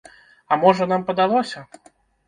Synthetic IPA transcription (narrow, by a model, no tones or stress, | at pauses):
ɐmɔʐɐnampɐd̪alˠɔsʲɐ